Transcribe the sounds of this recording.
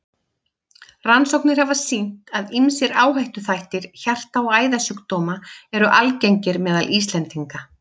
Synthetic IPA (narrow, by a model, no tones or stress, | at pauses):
ransowknɪɾ̥havasin̥t̪aðimsɪɾaːwɦajht̪ʏθajht̪ɪɾ̥çar̥t̪awaːjðasʏːkt̪oːmaɛɾʏʔalcejɲcɪɾmɛːðalʔiːst̪lɛnt̪iŋka